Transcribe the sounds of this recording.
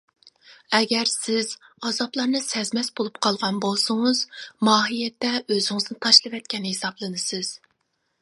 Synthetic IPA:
ɛɡʲɛɾsɪz̥ɑzɑplˠɑɾnɨsɛzmɛsbolˠup̚qʰɑlˠʁɑnbolˠsʊŋʊz̥mɑːɦijɛt̪ːɛøzɪŋɨznɨt̪ʰɑʃlˠɨvɛt̪̚kʲɛnhesɑblˠɨnɨsɨz̥

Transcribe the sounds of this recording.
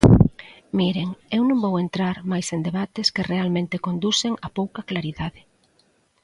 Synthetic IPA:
miɾeŋewnõŋbowent̪ɾaɾmajsend̪eβat̪ɪskɪrealmẽnt̪ɪkond̪useŋapowkɐklaɾiðaðɪ

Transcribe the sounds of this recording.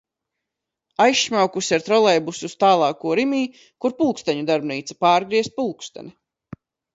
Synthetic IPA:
ajʃmʲawkusʲiaɾt̪ɾɔlˠɛjbusust̪aːlˠɑːkuɔɾimiː | kuɾpulˠkst̪aɲud̪aɾbniːt̪sḁpaːɾɡɾiɛst̪̚pulˠkst̪a̰ni

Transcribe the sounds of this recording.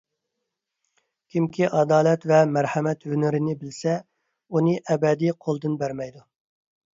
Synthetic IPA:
kʲʰimkʲʰiʔɑd̪ɑːlɛt̪vɛmæɾhæmɛt̪hønɪɾɪnɪbɪlsɛ | unɨʔɛbɛd̪iqʰolˠd̪ɨnbæɾmɛjd̪u

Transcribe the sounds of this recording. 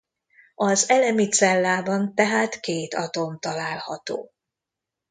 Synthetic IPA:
ɒzɛlɛmit̪sɛlːaːbɒnt̪ɛɦaːt̪keːt̪ɒt̪o̞mt̪ɒlaːlhɒt̪o̰ː

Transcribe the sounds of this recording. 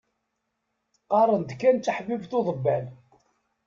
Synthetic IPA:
qɑɾˤənd̪kːænt͡s̪ːəħbivθoðˤəbːæl

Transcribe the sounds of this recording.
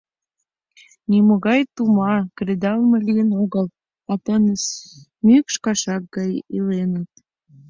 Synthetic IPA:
nimoɣɑjt̪umɑkred̪ɑlməlijənoɣəl | ɑt̪ənəs | mykʃkɑʃɑk̚ɡɑjilenət̪̚

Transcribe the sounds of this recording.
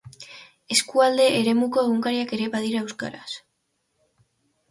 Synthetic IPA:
e̞skuald̪e̞ʔːɾe̞muko̞e̞ɣuŋkaɾiake̞ɾeβaðiɾaewska̰ɾas

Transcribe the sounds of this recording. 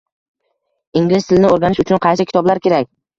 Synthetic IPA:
ɪŋʲlɪzt̪ʰɪlnɪoɾɡʲanɪʃʊt͡ʃʰʊnqʰɑjsɪkʲʰɪt̪ʰɒblaɾkʲe̞ɾak̚ʲ

